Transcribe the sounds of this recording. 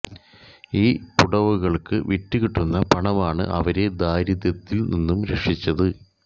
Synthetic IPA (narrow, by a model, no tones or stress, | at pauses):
iːpuɽɐʋuɣɐɭkɨʋiʈːuɣiʈːunːɐpɐɳɐʋaːɳɨ̰ʔɐʋɐɾe̞d̪aːɾiðɐt̪ːilninːumɾe̞kʂit͡ɕːɐðɨ